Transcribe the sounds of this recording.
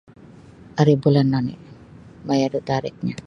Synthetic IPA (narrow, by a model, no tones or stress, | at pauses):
aɾibulanːɔnḭ | majadut̪aɾɪ̰k̚ɲa